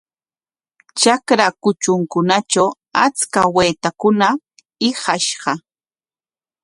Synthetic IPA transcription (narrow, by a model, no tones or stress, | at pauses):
t͡ʃakɾakʊt͡ʃʊŋkʊnat͡ʃaw | at͡skaweːt̪akʊna | ɪhɑʃɢɑ